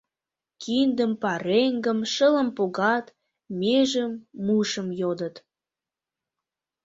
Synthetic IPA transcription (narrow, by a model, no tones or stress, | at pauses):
kind̪əmpɑɾeŋɡəmʃələ̆mpoɣɑt̪ | meʒəmːuʃəmjod̪ət̪